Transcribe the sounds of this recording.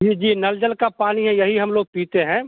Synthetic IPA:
d͡ʒiːd͡ʒiːnɐld͡ʒəlkapaːniɦɛ̃jɐɦiɦɐmloːɡ̚piːt̪eɦɛ̃ː

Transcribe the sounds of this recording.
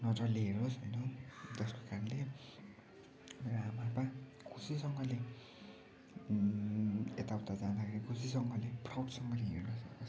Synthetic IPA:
nʌt͡sʌliɦeɾosɦʌjnʌt̪ʌskokaɾʌnle | meɾoamapa | kʰusisʌŋɡʌle | et̪awt̪ad͡zãd̪akʰeɾikʰusis̬ʌŋɡʌleprawʈsʌŋɡʌleɦernʌsʌkos

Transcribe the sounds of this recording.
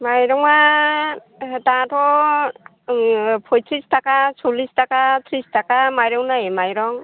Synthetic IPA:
majɾɔŋa | tatʰɔ | pʰɔjtʰɾistakasʰulistakat̪ʰɾistakamajɾɔwnajemajɾɔŋ

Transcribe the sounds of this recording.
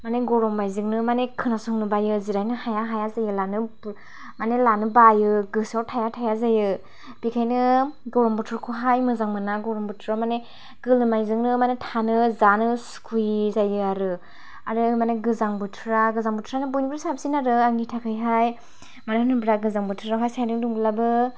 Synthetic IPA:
maneɡɔɾɔmbajzɯŋnɯmanekʰɯnasuŋnɯbajɯziɾajnɯhajaɦajazajɯlanɯb | manelanɯbajɯɡɯsawtʰajatʰajazajɯ | b̥ikʰajnɯɡɔɾɔmbɔtʰɾɔkʰuɦajmɯzaŋmɯnaɡɔɾɔmbɯtʰɾamane | ɡ̥ɯlɯmajzɯŋnɯmanetʰanɯzanɯskʰujzajɯaɾɯ | aɾɯmaneɡɯzaŋbɯtʰɾaɡɯzaŋbutʰɾanɯbujnibɾsap̚sinaɾɯaŋitʰakʰɯjɦaj | manenɯbɾaɡɯzaŋbɯtʰɯɾaɦajsajanɯduŋɡɯlabɯ

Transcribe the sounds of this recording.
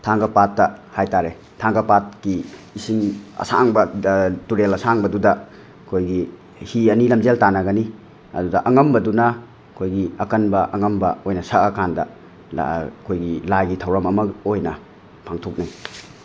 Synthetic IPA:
tʰaŋɡɐpatːɐhajtaɾe | tʰaŋɡɐpat̚kiːsiŋɐ̰sa̰ŋbɐtuɾelɐsaŋbɐdudɐ | kʰojɡi | hiɐnilɐmd͡ʒeltanɐɡɐni | ɐ̰dudɐʔɐŋɐmbɐdunɐ | kʰojɡiɐkɐnbɐʔɐŋɐmbɐojnɐsɐɐkandɐ̰ | kʰojɡilaɡitʰɐwɾɐmɐmɐojnɐ | pʰaŋtʰok̚naj

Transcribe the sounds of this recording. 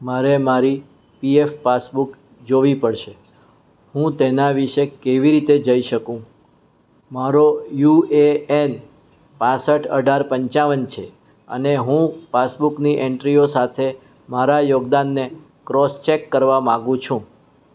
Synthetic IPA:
maɾemaɾi | piefːasbuk | d͡ʒoʋipəɭʃe | hũt̪enaʋiʃekeʋiɾit̪ed͡ʒəiʃəkũ | maɾojueen | pãsəʈʰə̰ɖʱaɾpəɲt͡ʃaʋənt͡ʃʰe | ə̰neɦũfasbukniʔɛɳʈɾiosat̪ʰe | maɾajoɡd̪anːe | kɾɔst͡ʃekːəɾʋamãɡũt͡ʃʰũ

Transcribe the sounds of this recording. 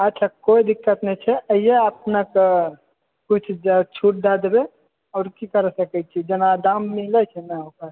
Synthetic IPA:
ət̪ːt͡ʃʰakoid̪ɪkːət̪nət͡ʃʰɛʔəijeəp̚nək | kut͡ʃʰt͡ʃʰuʈ̚d̪ad̪be | ɔːɾkikəɾsəkɛt͡ʃʰid͡ʒənad̪amːilət͡ʃʰɛnakəɾ

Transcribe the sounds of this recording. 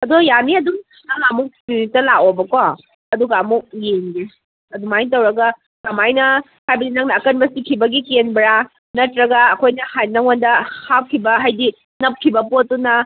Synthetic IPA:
ɐdojaniɐduŋ | nɐŋamuk̚munitːɐlakobɐko | ɐduɡaɐmuk̚jeŋdi | ɐduŋmajntɐwɾɐɡɐ | kɐmajnɐ | hajbɐdinɐŋnɐːkɐnbɐsikʰibɐɡikenbɾa | nɐtɾɐɡɐɐkʰojnɐhajnɐŋondɐhap̚kʰibɐɦajdi | nɐp̚kʰibɐpotːunɐ

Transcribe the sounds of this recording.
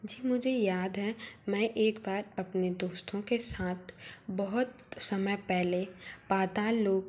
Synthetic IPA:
d͡ʒiːmʊd͡ʒʱejaːd̪ɦɛmɛ̃ʔeːkbaːɾɐpned̪oːst̪ʰõkesaːt̪ʰbɐɦʊt̪ | sɐməjpɛɦlepaːt̪aloːɡ

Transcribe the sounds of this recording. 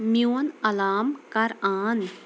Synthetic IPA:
mjonɐlaːmkɐɾaːn

